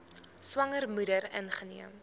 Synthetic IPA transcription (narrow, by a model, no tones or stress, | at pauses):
swɐŋərmudərə̰nχənḭəm